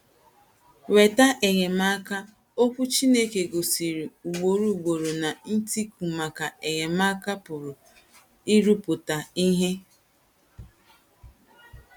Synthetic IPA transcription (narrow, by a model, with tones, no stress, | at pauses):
we˨ta˦ʔe˨ɣe˨ma˦ka˦ | o˦kʷu˦t͡ʃi˦ne˦ke˨ɡo˨si˨ɾi˨u˨ɡ͡bo˨ɾu˦˨ɡ͡bo˨ɾo˨na˨n̩˦ti˦ku˨ma˨ka˨e˨ɣe˨ma˦ka˦pʊ˨ɾʊ˨ | i˦ɾu˦pʊ˨ta˨i˦ɦe˦